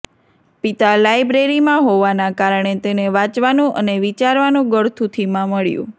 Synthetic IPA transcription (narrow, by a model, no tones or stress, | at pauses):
pit̪alajbɾeɾimãɦoʋanakaɾəɳet̪eneʋãt͡ʃʋanũʔəneʋit͡ʃaɾʋanũɡəɭt̪ʰũt̪ʰimãməɭjṵ̃